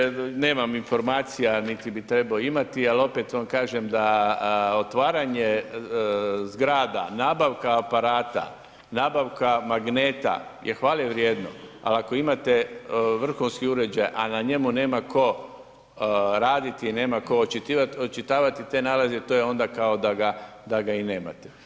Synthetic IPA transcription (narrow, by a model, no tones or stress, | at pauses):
ne̞ːmaminfo̞ɾmaːt̪sijanit̪ibit̪ɾe̞baoimat̪ialo̞pet̪ʋankaːʒemd̪a | o̞t̪ʋaːɾaɲe | zɡɾaːd̪anaːbaʋkaːpaɾaːt̪a̰ | naːbaʋkamaɡneːt̪a̰jʔexʋaːleʋɾjeːd̪no̰a̰lako̞imat̪eʋr̩xunskiuɾe̞d͡ʒajʔanaɲe̞mune̞ːmako̞ | ɾaːd̪it̪iːne̞ːmako̞ot͡ʃit̪iaot͡ʃit̪aːʋat̪it̪e̞naːlazet̪oːjeo̞nd̪akaod̪aɡad̪aɡaineːma̰t̪ɛ̥